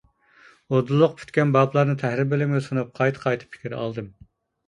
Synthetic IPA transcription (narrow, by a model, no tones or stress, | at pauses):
od̪ulˠːʊq̚pʰy̥t̪kʲɛnbɑblˠɑɾnɨt̪ʰæhɾɪbɪlɪmɪsonup̚qʰɑjt̪ʰɨ̥qʰɑjt̪ʰɨ̥pʰːi̥kʲiɾɑ̰lˠd̪ɨm